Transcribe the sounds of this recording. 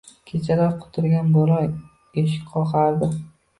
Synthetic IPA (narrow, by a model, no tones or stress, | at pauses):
kʲʰet͡ʃʰaɾaɾqʰʊ̥t̪ʰʊɾɡʲanbʊɾɒj | eʃɪ̥qʰɒqɑɾd̪ɪ